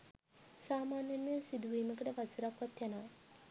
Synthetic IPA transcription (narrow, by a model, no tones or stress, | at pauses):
saːmaːnjanːesid̪uʋiːməkəʈəʋasiɾakʋat̪janoʋ